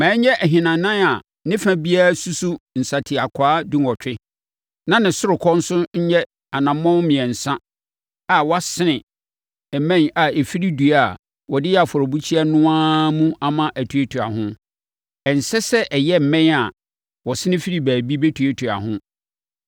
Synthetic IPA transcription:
mãː˨˦ɲɛ˦ʔæ˨ɦɪ̃˨nã˨nã˦na˨ | nɪ̃˦fæ̃˦bi˦a˦˨su˦su˦n̩˨sa˨tʰɪ˨a˨kʷʰaː˦dĩ˦ŋ˨ɔ˨tʰᶣɪ˦ | nã˦nɪ̃˨sʊ˦ɾʊ˨kʰɔ˦n̩˦sʊ˦ɲ̩˦ɲɛ˦ | a˨nã˨mː˦ɔ̃˦mɪ̃˨ɛ˨n̩˨sã˦ | a˨wa˦sɪ˦nɪ̃˨ | ɛ˨mɛ̃˦na˨e˨fi˦ɾi˦du˨a˦˨ | wɔ˨dɪ˦jɛ˦a˨fɔ˨ɾɔ˨bu˦t͡ɕʰi˦a˦nʊ̃˦ãː˦mũ˦a˨mã˦ʔæ˨tʰu˨e˦tʰu˨a̰˨ɦʊ̃˦ | ɛ˨n̩˨sɛ˦sɛ˦ʔɛ˨jɛ˦m̩˨mɛ̃˦na˨ | wɔ˨sɪ̃˦nɪ̃˦fi˦ɾi˦bæː˨bi˦be˦tʰu˨e˦tʰu˨a̰˨ɦʊ̃˦

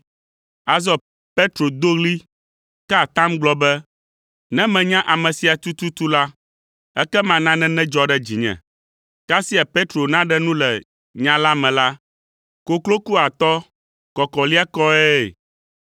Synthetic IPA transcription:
a˨zɔ˦ | pe˦t̪ɾo˨d̪o˦ɣli˦ | kɛ˦a˨t̪ã˦mɡ͡blɔ˦bɛ˦ | nɛ̃˦mɛ̃˨ɲã˦ʔa˨mɛ̃˨si˨a˨t̪u˦t̪u˦t̪u˦la˦ | ɛ˦kɛ˦mã˨nã˦nɛ̃˦nɛ̃˦d͡ʒɔ˦ɖɛ˦d͡ʑi˨ɲɛ̰̃˨ | ka˦si˦a˨pe˦t̪ɾo˨nã˦ɖɛ˦nũ˦lɛ˨ | ɲã˦la˦mɛ̃˨la˦ | ko˨klo˦ku˦a˨t̪ɔ˦ | kɔ˨kɔ˨li˦a˦kɔ˦ɛ˦˨

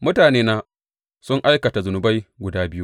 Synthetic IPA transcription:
mʊ˦taː˨neː˦naː˦ | sʊ˦ŋʔa˦jkɐ˨ta˨zʊ˨nʊ˨ba˦jɡʷʊ˨daː˦bɪ˦ju˦

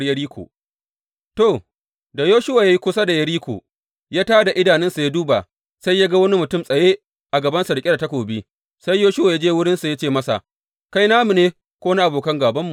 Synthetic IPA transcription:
jɐ˦ɽiː˦kʷo̰ː˨ | to˦˨ | da˨joː˦ʃʊ˦wa˨ja˦ji˦kʷʊ˦sa˦da˨jɐ˦ɽiː˦kʷo̰ː˨ | ja˦taː˦da˨ʔɪ˦daː˨nɪ˦nsu˨ja˦duː˦ba˨ | sa˦jːa˦ɡa˦wɐ˦ni˦mʊ˨tʊ˦˨msʼɐ˨jeː˦ | ʔa˨ɡɐ˨bɐ˦nsɐ˨ɽkʲʼe˦da˨tɐ˦kʷoː˨bi˦ | sa˦jːoː˦ʃʊ˦wa˨ja˦d͡ʒeː˦wʊ˦ɽɪ˦nsu˨ja˦t͡ʃeː˦˨mɐ˦sa̰˨ʔ | ka˦jnaː˦mu˨neː˦ | kʷoː˦na˦ʔa˨boː˨kɐ˦ŋɡaː˨bɐ˦mːu˨

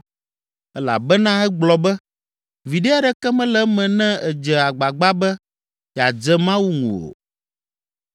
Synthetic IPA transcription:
ɛ˦la̰˨bɛ˦nã˦ɛ˦ɡ͡blɔ˨bɛ˦ | vi˨ɖe˦a˦ɖɛ˦kɛ˦mɛ̃˦lɛ˦mɛ̃˨nɛ̃˦ɛ˨d͡ʒɛ˨a˨ɡ͡ba˨ɡ͡ba˦bɛ˦˨ | a˨d͡ʒɛ˦mã˦wu˦ŋṵ̃˨o̰˨

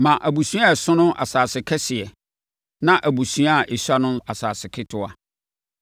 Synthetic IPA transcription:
mã˨ʔæ˨bu˨sɥ̃a˦ɛ˨sʊ̃˦nʊ̃˦ʔa̰˨saː˨sɪ˨kʰɛ˦sɪ˨ɛ˨ | nã˦ʔæ˨bu˨sɥ̃a˦˨ʔe˨ɕa˦nʊ̃˦a˨saː˨sɪ˨kʰɪ˦tʰʊ˦a˦

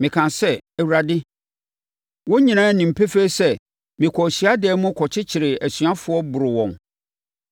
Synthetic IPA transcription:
mɪ̃˨kʰã˨sɛ˦ɛ˨u˨ɾa˨dɪ˦ | wɔ˦ɲĩ˨nãː˦nĩ˨m̩˨pʰe˦fe˦sɛ˦ | mɪ̃˨kʰɔ˨ɕi˨a˦dɪ˨ɛː˦mʊ̃˦kʰɔ˨t͡ɕʰɪ˦t͡ɕʰɪ˨ɾɪ˨æ˨sɥa˦fʊ˨˦ɔ˦bʊ˨ɾʊ˨wɔ̃˨n

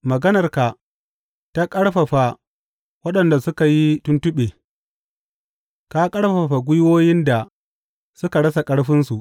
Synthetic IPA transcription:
mɐ˨ɡɐ˦nɐ˨rka˨ | ta˦kʼɐ˦ɽɸa˨ɸa˨ | wɐ˦ɗɐ˨nda˨sʊ˦ka˨ji˦tʊ˦ntʊ˦ɓeː˨ | kaː˦kʼɐ˦ɽɸɐ˨ɸa˨ɡʷʊ˦jwoː˦jɪ˦nda˨ | sʊ˦ka˨ɽɐ˦sa˨kʼɐ˦ɽɸɪ˦nsu˨ʔ

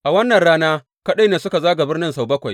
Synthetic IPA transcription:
ʔa˨wɐ˦nːɐ˨nɽaː˦naː˦ | kɐ˦ɗa˦neː˨sʊ˦ka˨zaː˦ɡa˨bɪ˦rnɪ˦nsa˨wbɐ˦kʷa˨j

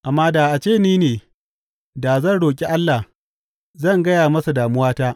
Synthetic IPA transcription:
ʔa˨mːaː˦daː˨ʔa˨t͡ʃeː˦˨niː˦neː˨ | daː˨zɐ˦nɽoː˨kʲʼi˦ʔa˦lːa˨h | zɐ˦˨ŋɡɐ˦jaː˨mɐ˦su˨daː˨mʊ˦waː˦taː˦

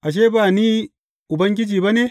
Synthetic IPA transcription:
ʔa˨ʃ̬e˦ba˨ni˦ | u˨bɐ˦ŋɡʲi˦d͡ʒiː˨bɐ˦ne˦

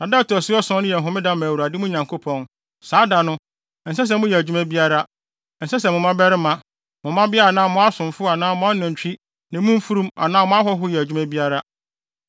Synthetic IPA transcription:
nã˨da˦tɔ˨sʊ˦ɔ˦sɔ̃˦nʊ̃˦jɛ˨ɦʊ̃˨˦mɪ̃˦dã˦mã˨wu˨ɾa˨dɪ˦mʊ̃˦ɲã˨ŋkʰo˦pʰɔ̃˨n | saː˨˦da˨nʊ̃˦ | n̩˨sɛ˦s̬ɛ˨mʊ̃˦jɛ˨æ˨d͡ʑᶣu˦mæ̃˦bi˦a˦ɾa˦ | n̩˨sɛ˦s̬ɛ˨mʊ̃˨mã˦bɛ˦ɾɪ˦mã˨ | mʊ̃˨mã˦bɪ˦a˦a˨nãː˦mʊ̃˦a˦sʊ̃˨mfʊ˦a˨nãː˦mʊ̃˦a˦nʊ̃˨ɲ˨t͡ɕᶣi˦ | nɪ̃˨˦mʊ̃˦m̩˦fu˦ɾũ˦ma̰˨nãː˦mʊ̃˦a˦ɦɔ˦ɦʊ˦jɛ˨æ˨d͡ʑᶣu˦mæ̃˦bi˦a˦ɾa˦

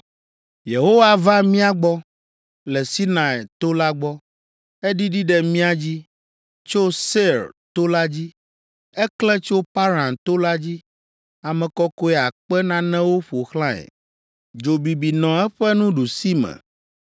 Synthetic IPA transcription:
je˨ɦo˦wa˦va˦mĩ˦a˦ɡ͡bɔ˦ | lɛ˨si˦nã˨ɛ˨t̪o˦la˦ɡ͡bɔ˦ | ɛ˦ɖi˦ɖi˦ɖɛ˦mĩ˦a˨d͡ʑi˦ | t͡ʃo˦se˦ɾt̪o˦la˦d͡ʑi˦ | ɛ˦klɛ˦t͡ʃo˦pa˦ɾã˨nt̪o˦la˦d͡ʑi˦ | a˨mɛ̃˨kɔ˦ko˦ɛ˦a˨k͡pɛ˦nã˦nɛ̃˦wo˦ɸo˨xlã˦ɛ̰˨ | d͡ʒo˨bi˨bi˨nɔ̃˨ɛ˦ɸɛ˦nũ˦ɖu˨si˦mɛ̰̃˨

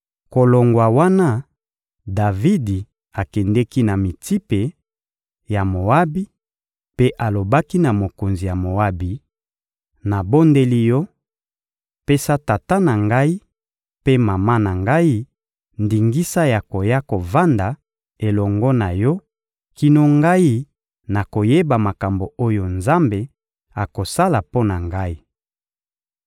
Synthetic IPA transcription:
ko˨lo˨ŋɡwa˨wa˦na˦ | da˨vi˦di˨ | a˨kɛ˨ndɛ˦ki˦na˨mi˨ti˦pe˨ | ja˨mo˨a˦bi˦ | pe˦ʔa˨lo˨ba˦ki˦na˨mo˨ko˨nzi˨ja˨mo˨wa˦bi˨ | na˨bo˦nde˦li˦jɔ˦ | pe˦sa˦ta˨ta˦na˨ŋɡa˦i˦ | pe˦ma˨ma˦na˨ŋɡa˦i˦ | ndi˨ŋɡi˦sa˦ja˨ko˨ja˦ko˨va˦nda˨ | e˨lɔ˨ŋɡɔ˦na˨jɔ˦ | ki˦no˦ŋɡa˦i˦ | na˨ko˨je˦ba˨ma˨ka˨mbo˨o˦jo˨nza˦mbe˨ | a˨ko˨sa˦la˨po˦na˨ŋɡa˦i˦

